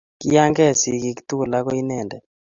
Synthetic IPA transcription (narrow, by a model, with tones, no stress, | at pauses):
ki˦ja˦ŋɡɛ˦˨si˨ki˦kt̪u˦˨la˦kɔ˦i˦nɛ˨ndɛ˨